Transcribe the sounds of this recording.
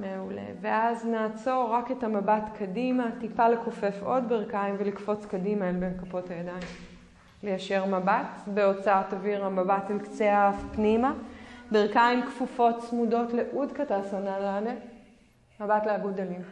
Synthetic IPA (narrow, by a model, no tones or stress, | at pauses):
meule̞̰veaznaːt͡so̞ʁaketamabatkʰadimatipale̞ko̞fe̞fo̞dbeʁkaimvelikfo̞t͡skadimaelbenkapo̞thajadaim | le̞jaʃe̞ʁmabatbeo̞t͡saataviʁhamabatelkt͡seaafpnimabeʁkaimkfufo̞tsmudo̞tle̞ʔudkatasanalane | mabatleaɡudalim